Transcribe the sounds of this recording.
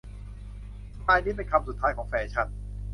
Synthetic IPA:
aː˧jniː˥˩pe˧nkʰa˧msu˨˩t̪ʰːaː˦˥jkʰɔː˩˦ŋfɛː˧˩t͡ɕʰa˦˥˩n

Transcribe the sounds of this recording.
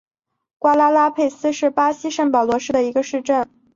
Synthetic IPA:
kwa˥la˥la˥pʰe˥˩ɪsɹ̩˥ʂɻ̩˥˩pa˥ɕi˥ʂə˥˩ŋpɑ˨˩ʊlwɔ˧˥ʂɻ̩˥˩d̪ə˩i˧˥ɡə˧ʂɻ̩˥˧ʈ͡ʂə˥˩n

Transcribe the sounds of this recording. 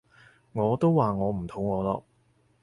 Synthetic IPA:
ŋɔː˨˧t̪o˥wwaː˨ŋɔː˨˧m̩˨˩t̪ʰʊ˨˥ŋŋɔː˨˧lɔ̰ː˧˥k̚

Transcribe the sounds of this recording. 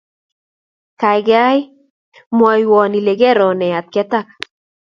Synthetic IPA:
ka˨jɡa˦j | mwɔ˨jwɔ˨ni˨le˨ɡɛ˦ɾɔ˨nɛ˨a˨t̪̚kɛ˦t̪a˦˨k̚

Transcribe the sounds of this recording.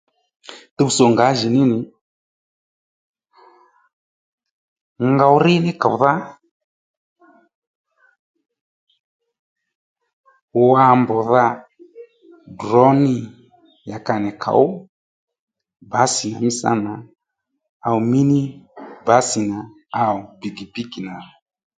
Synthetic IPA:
tɛ˦u˦sɔ˨ŋɡa˨˦ʒi˨ni˦nɪ˨ | ŋɡa˧wu˦ɾi˦nɛ˦ka˨wða˦ | a˦˨mbɔ˨ða˦ | dɾɔ˦ni˦˨ | ja˨ka˨nɛ˨kʰa̰˨u˦ | ba˨˦si˨na̰˨mi˦sa̰˦na˨ | a˨u˨mi˦ni˦ba˨˦si˨na˨ | a˦˨u˨bi˨ɡi˨pi˦ki˨na˨

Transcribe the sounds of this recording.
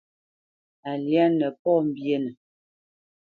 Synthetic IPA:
a˨lja˦nə˨pɔ˦m̩˨bje˦nə˨

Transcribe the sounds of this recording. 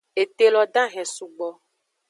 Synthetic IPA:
e˨t̪e˨lɔ˨ɖã˦ɦɛ̃˨su˨ɡ͡bɔ˨

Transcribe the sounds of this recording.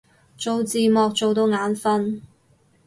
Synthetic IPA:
t͡so˨wt͡siː˨mɔː˨˧k̚t͡so˨wt̪o˨˧wŋaː˨˥nfɐ˥n

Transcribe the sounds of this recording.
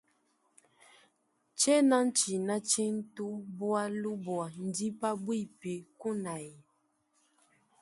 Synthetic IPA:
t͡ʃɛ˦na˦n̩˦t͡ʃi˨na˦t͡ʃɛ˦n̩˦tu˦bwa˦lu˦bwa˨n̩˨di˦pa˦bwi˦˨pe˨ku˦na˨i˨

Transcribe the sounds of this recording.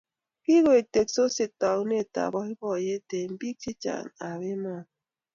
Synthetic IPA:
ki˦ɣo˨e˨te˨k̚so˦se˨tɔ˨k̚ne˦˨ta̰˨bɔ˦i˦bɔ˦˨je˦te˨m̩˦bi˦k̚ti˦t͡ʃa̰˨ŋa˨βe˦mɔ˦˨

